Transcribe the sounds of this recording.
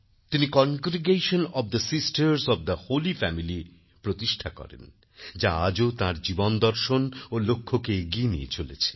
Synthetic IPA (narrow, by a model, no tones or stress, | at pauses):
t̪inikɔnɡɾiɡeʃonɔbd̪əsisʈəɾsɔfd̪ɐholifɛmili | pɾot̪iʃʈʰakɔ̰ɾḛn | d͡ʑaad͡ʑot̪ãɾd͡ʑibond̪ɔɾʃonolokʰːokeɡienḭḛt͡ɕolet͡ɕʰe